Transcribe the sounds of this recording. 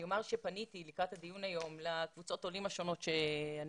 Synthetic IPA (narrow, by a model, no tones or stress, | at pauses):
o̞maʁʃepanitilikʁathad̪ijunajo̞mlakvut͡so̞tolimaʃo̞no̞tʃean